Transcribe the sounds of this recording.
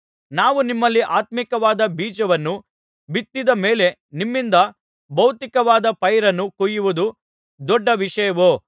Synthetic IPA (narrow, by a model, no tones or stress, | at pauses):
naːʋunimːɐlːiʔaːt̪mikɐʋaːd̪ɐbiːd͡ʒɐʋɐnːu | bit̪ːid̪ɐme̞ːle̞nimːind̪ɐ | bɐwt̪ikɐʋaːd̪ɐpɐjɾɐnːukujuʋud̪u | d̪ɔɖːɐʋiʂɐjɐʋoː